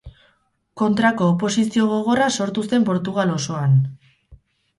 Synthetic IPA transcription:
ko̞nt̪ɾako̞ːpo̞sisio̞ɣ̞o̞ɣ̞o̞raso̞ɾt̪use̞mpo̞ɾt̪uɣ̞alo̞so̞an

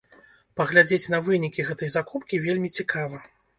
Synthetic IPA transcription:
pɐɣlʲad͡zʲet͡sʲnɐvɨnʲikʲiɣɛt̪ɐjzakupkʲivʲelʲmʲit͡sʲikʰavɐ

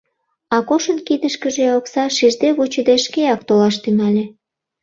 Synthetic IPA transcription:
ɑkoʃənkid̪əʃkəʒeoksɑʃiʒd̪eβut͡ɕəd̪eʃkeɑk̚t̪olɑʃt̪ynɑlʲe

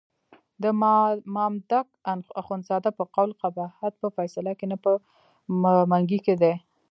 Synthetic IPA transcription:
d̪əmɑmd̪ak̚aaxonzɑd̪apəqawlqabahat̪̚pəfajsalakenapə | maŋɡiked̪e

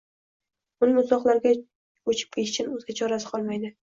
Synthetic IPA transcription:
ʊnɪmʊt̪lˠɒqlˠaɾɡʲa | ot͡ʃʰɪ̥p̚kʲet̪ɪ̥t͡ʃʰɪnɵzɡʲat͡ʃʰɒɾas̬ɪ̥qʰɒlˠmajd̪ɪ

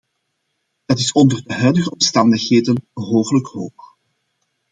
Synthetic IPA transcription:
dətɪsɔndərdəɦœɥdəɣəɔmstɑndəxheːdənəɦoːpələkhoːx

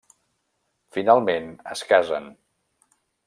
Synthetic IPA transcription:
finalˠmenə̰skazə̰n

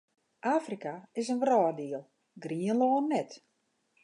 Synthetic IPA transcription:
ʔaːfrikaɪs̬ənʋrɔːdiəlˠ | ɡriənloːnːɛt

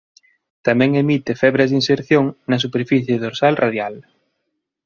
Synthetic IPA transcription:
t̪amɛ̃ŋemit̪ɪfɛβɾɐzðinseɾθjoŋnɐs̬upeɾfiθjeðoɾsalrʔaðjal

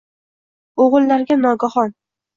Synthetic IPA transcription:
oʁɨlˠːaɾɡʲanɒɡahɒn

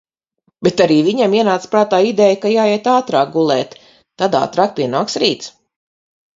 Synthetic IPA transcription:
bet̪aɾiːviɲamiɛnaːt̪spɾaːt̪aːid̪ɛjkajaːjɛt̪aːt̪ɾaːk̚ɡulˠɛːt̪ː | ad̪a̰ːt̪ɾaːk̚pʲiɛnaːksɾiːt̪s

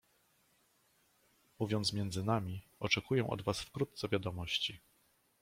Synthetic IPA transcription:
muvʲjɔnt̪smʲjɛnd̪zɘnamʲiɔt͡ʂɛkujɛw̃ʔɔ̰d̪vasfkɾut̪t̪sɛvʲjad̪ɔmɔɕt͡ɕi

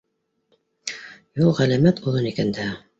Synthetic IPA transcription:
julˠʁælæmæt̪ʰuðɤnikænd̪æ

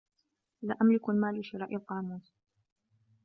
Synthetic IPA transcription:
laʔamlɪkalmaːlɪʃɪɾaːʔɪlqɑːnuːs

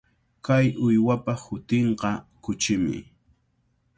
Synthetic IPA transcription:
kajʊjwapahʊt̪eɴqɑkʊt͡ʃɪmɪ̰

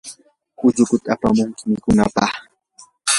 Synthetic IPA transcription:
ʊʎʊkʊt̪apa̰mʊŋkɪmɪkʊnapɑχ

